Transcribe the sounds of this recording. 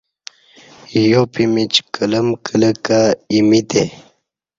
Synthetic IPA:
jopimit͡ɕkələmkələkaimit̪e

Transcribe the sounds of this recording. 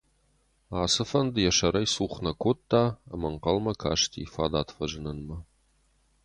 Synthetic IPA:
aːsɨfɐndjɛʂɐɾɐjsuːχʷnɐkʷʰot̪ʰːaːɐ̰mɐɴqɐlmɐkʰa̰ːʂtʰḭːfa̰ːd̪aːtʰfɐʒɪnɐnmɐ

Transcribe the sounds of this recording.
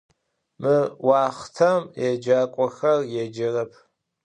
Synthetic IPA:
mɨwaːχtʰɐmjɛd͡ʒaːkʷʼɔxɐrjɛd͡ʒɐrɐpʰ

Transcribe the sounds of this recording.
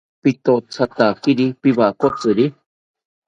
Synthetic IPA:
pit̪ot͡sʰat̪akiɾipiβaʔkot͡sɨɾi

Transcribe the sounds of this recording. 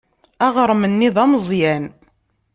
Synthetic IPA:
æʁəɾˤmənːiðæməzˤjæn

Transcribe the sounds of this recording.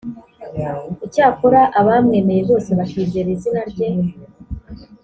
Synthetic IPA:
icaːkoɾaʔaβaːmŋe̞ːme̞jezo̞ːse̞βaʃiːzeɾizinaɾɟe̞

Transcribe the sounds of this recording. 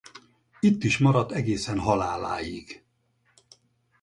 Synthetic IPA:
it̪ːiʃmɒɾɒt̪ːɛɡeːsɛnɦɒlaːla̰ːjiɡ

